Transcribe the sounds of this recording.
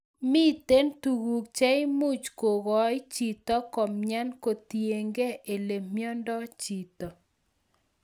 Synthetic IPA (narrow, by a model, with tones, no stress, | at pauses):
mi˦t̪e˦ntu˨ɣu˨k̚t͡ʃɛ˦ɪ˦mu˦t͡ʃko˨ɣɔ˨˦jt͡ʃi˨t̪ɔ˦kɔ˨mɲa˦nko˨tje˨ŋɡe˦ʔe˨le˨mjɔ˦ndɔ˦t͡ʃi˨t̪ɔ˨